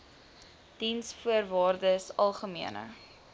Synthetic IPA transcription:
d̥insfuərvɑːrdəsɐlˠχəmiənə̰

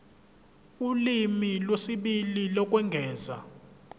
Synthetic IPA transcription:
ulimilwesiɓililɔk̬ʼwɛŋɡʱɛːza̰

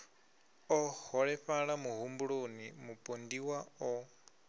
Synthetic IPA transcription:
ɔhɔɺɛɸaɺamuɦumbuɺonimupʼondiwaɔ

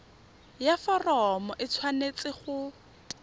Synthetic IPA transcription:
jafɔrɔmɔʔɪt͡sʰwanet͡sʼɪχʊ

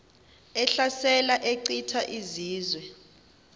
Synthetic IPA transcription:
ɛɬasɛlaʔeǃitʰaʔiziːzwɛ

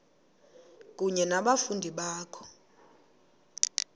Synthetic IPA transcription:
k̬ʼuɲɛnaɓafundʱiɓaːkʰɔ̥

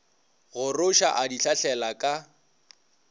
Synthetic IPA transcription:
ɣʊrʊʃa̰ʔadiɬaɬɛlakʼa

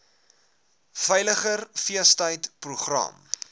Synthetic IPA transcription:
fɛjləχərfiəstəjtpruχrɐ̰m

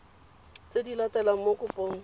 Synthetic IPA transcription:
t͡sʼedilatʼɛlamokʼʊpʼoŋ̩

